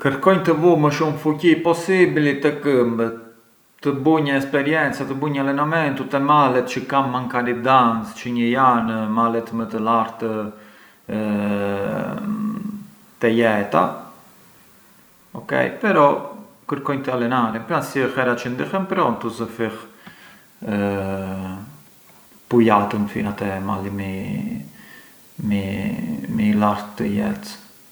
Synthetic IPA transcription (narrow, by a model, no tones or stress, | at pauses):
kəɾkɔjɲt̪əvuməʃumfucipɔsiblit̪əkəmbə | t̪əbuɲəɛspɛɾjɛnt͡sat̪əbuɲəalɛnamɛnt̪ut̪ɛmalɛt̪t͡ʃəkamːaŋkaɾid̪ant͡st͡ʃəɲəjanmalɛt̪mət̪əlaɾt̪ə | t̪ɛjɛt̪a̰ | ɔkɛ̰jpɛɾɔ | kəɾkɔjt̪əalɛnaɾɛmpɾansiəhɛɾat͡ʃənd̪ixɛmpɾɔnt̪uzəfiχ | ə | pujat̪ənfinat̪ɛma̰limi | mi | milaɾt̪ːəjɛ̰t̪